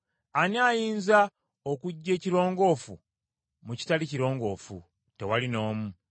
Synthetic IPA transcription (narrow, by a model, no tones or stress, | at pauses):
aniaːjiːnza | okuɟːe̞ːciɾo̞ːŋɡo̞ːfṵ | muci̥taliciɾo̞ːŋɡo̞ːfṵ | te̞walino̞ːmu